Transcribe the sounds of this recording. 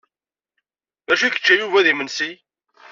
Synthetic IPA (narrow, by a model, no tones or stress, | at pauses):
ðæʃ̬ikə̥t͡ʃːæjuvæðimənsi